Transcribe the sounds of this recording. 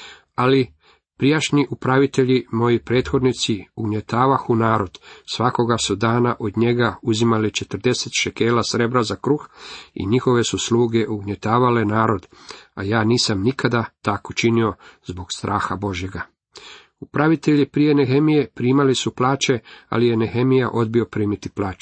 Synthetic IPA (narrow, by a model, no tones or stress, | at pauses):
ali | pɾijaʃniʔupɾaʋit̪e̞ʎimo̞jipɾe̞ːt̪xo̞d̪nit̪siuɡɲe̞t̪aːʋaxunaːɾo̞d̪̥sʋako̞ɡasud̪aːnaʔo̞d̪ɲe̞ɡauzimalit͡ʃet̪r̩d̪e̞set̪ʃeke̞ːlasɾe̞bɾazakɾuxḭɲixo̞ʋe̞susluːɡe̞ʔuɡɲe̞t̪aːʋale̞naːɾo̞d̪ajaːniːsamnikʰad̪at̪akot͡ʃinio̞zbo̞ɡ̥st̪ɾʔaːxabo̞ʒje̞ɡa | upɾaʋit̪e̞ʎipɾijeneɦemijepɾiːmalisuplˠaːt͡ʃe̞a̰lijeneɦemijaʔo̞d̪̚bio̞pɾiːmit̪iplˠaːt͡ʃɛ̥